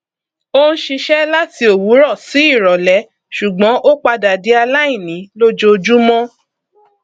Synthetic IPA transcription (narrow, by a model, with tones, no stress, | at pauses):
o˦ñ̩˦ʃi˧ʃɛ˦la˦ti˧o˨wu˨˦ɾɔ˦˨si˨˦i˦˨ɾɔ˨lɛ˨˦ | ʃu˨ɡ͡bɔ̃˨˦ʔo˦k͡pa˧da˨di˨˦a˧la˦i˦˨nĩ˨˦lo˦d͡ʒo˧d͡ʒu˦mɔ̃˦